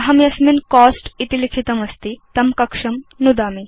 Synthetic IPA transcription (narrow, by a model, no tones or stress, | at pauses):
ɐɦɐmjɐsminkɔːsʈit̪ilikʰit̪ɐmɐst̪it̪ɐmkɐkʂɐmnud̪ami